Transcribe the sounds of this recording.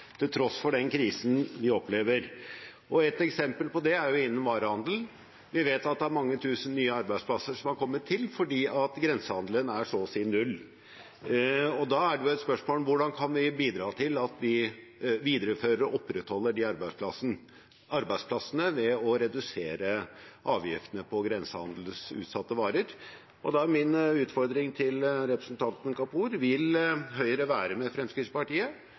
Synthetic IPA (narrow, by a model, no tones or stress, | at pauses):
t̪ʰɪlt̪ʰɾɔsfɔɖɛnkʰɾiːsnʋɪɔpleːʋəɾʔɔɛt̪ɛksɛmpəlpɔd̪ɛæɾjʊɪnːəmʋɑːɾəhɑnd̪ln̩ | ʋɪʋeːt̪ɑt̪̚d̪ɛæɾmɑŋːət̪ʰʉːsənnːyːəɑɾbæɪspʰlɑsːəʂɔmhɑɾkʰɔmːət̪ʰɪlfɔɖiːʔɑt̪ɡɾɛnsəhɑnd̪lənæʂɔsiːnʉlː | ɔd̪ɑːæɖɛjʊɛt̪spœʂmoːlʋʊɖɑnkʰɑnʋɪbiːd̪ɾɑːt̪ʰɪlɑt̪ʋɪʋiːd̪əɾəføːɾəɾɔʔɔpːɾɛt̪hɔlːəɖɪɑɾbæɪspʰlɑs | ɑɾbæɪspʰlɑsənəʋɛɔɾɛd̪ʉseːɾəʔɑːʋjɪ̰ft̪ənəpʰɔɡɾɛnsəhɑnd̪l̩sʉ̰ːt̪sɑt̪ːəʋɑːɾəɾ | ʔɔd̪ɑæɾmɪnʉːt̪fɔɾd̪ɾɪŋt̪ʰɪlɾɛpɾəsnt̪ʰɑnt̪nkɑpʰuːɾʋɪlɦœʏəɾəʋæːɾəmɛfɾɛmskɾɪt̪spɑʈiːə